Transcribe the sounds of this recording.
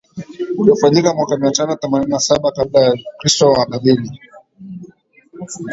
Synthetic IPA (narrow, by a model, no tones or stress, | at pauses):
ulafaɲikamwakamiatanɔθɛmanininasaɓakablajakɾistɔwaɗaɗini